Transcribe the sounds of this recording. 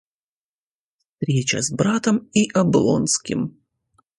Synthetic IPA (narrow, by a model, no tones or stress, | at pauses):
fst̪ɾʲet͡ɕə̰zbɾat̪əmiʔɐblˠo̰nskʲɪ̰m